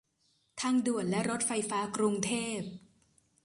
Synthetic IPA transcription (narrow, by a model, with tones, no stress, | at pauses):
t̪ʰa˦˥ŋdu˨˩ət̪̚lɛ˦˥ʔɾo˦˥t̪̚fa˧jfaː˦˥kɾu˧ŋt̪ʰeː˥˩p̚